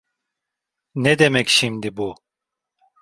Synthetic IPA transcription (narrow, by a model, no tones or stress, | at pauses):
nɛd̪emɛcʃimd̪ibu